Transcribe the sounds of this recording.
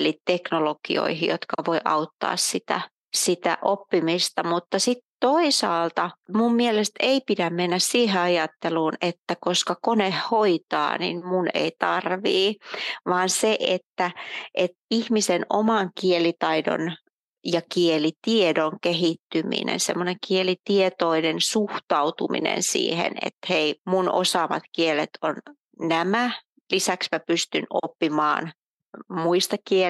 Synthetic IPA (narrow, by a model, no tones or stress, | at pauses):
litt̪eknolokḭo̰ihijot̪kɑʋoiʔɑut̪ːɑ̰ːssit̪æ̰ | sit̪æ̰ʔopːimist̪ɑmut̪ːɑsit̪toisɑːlt̪ɑmummielest̪eipidæmmenːæssiːheɑjɑt̪ːeluːnet̪ːækoskɑkonehhoit̪ɑ̰ːnḭnmunḛit̪ɑrʋiːʋɑːnseʔet̪ːæʔet̪ihmisenomɑŋkielit̪ɑido̰n | jɑkielit̪iedoŋkehit̪ːymḭnḛnsḛmːoneŋkielit̪iet̪oinensuht̪ɑut̪umḭnḛnsḭːhḛnḛt̪heimuno̰sɑːmɑt̪kielet̪ʰon | næmæ | lisæksmæpyst̪yno̰pːimɑ̰ːn | muist̪ɑkie